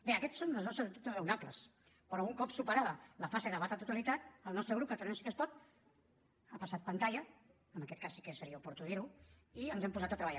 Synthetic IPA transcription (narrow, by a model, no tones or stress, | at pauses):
beəkɛt̪sːonləznɔst̪ɾəzt̪it̪urəwnapləs | pəɾɔuŋkɔpsupəɾaðələfaseðəβat̪at̪ut̪alit̪at̪̚əlˠnɔst̪ɾəɣɾupkət̪əɾɛnosi̥kəspɔt̪̚ | apəsat̪̚pənt̪aʎə | əməkɛt̪̚kasːi̥kəsəɾiəupuɾt̪uðiɾuiənzɛmpuzat̪ət̪ɾəβəʎa